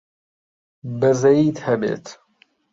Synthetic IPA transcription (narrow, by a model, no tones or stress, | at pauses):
bɐzɐiːd̪hɐbḛːt̪